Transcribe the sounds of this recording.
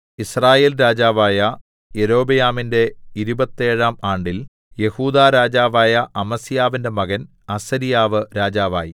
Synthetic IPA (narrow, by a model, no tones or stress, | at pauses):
israːjeːlɾaːd͡ʑaːʋaːjɐ | jeɾo̞ːbɐjaːminde̞iɾubɐt̪ːe̞ːɻaːmaːɳɖil | je̞huːd̪aːɾaːd͡ʑaːʋaːjɐʔɐmɐsijaːʋinde̞mɐɣɐn | ɐsɐɾijaːʋɨɾaːd͡ʑaːʋa̰ːji